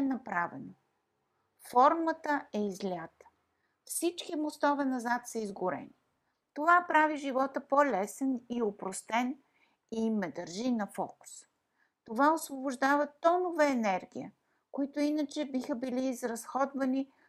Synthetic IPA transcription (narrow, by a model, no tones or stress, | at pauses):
ɛnɐpɾavɛ̰no | fɔɾmət̪əɛizlʲat̪ə̥ | fsit͡ʃkimost̪ɔvɛnɐzat̪səizɡʊɾɛ̰ni | t̪ovapɾaviʒivɔt̪əpolɛsɛniopɾost̪ɛn | imːɛd̪əɾʒinɐfɔ̰kʊ̥s | t̪ovaosvobʊʒd̪avət̪ɔnovəɛnɛɾɡʲḭjə | koit̪ʊinət͡ʃɛbixəbiliːzɾɐsxɔd̪vɐni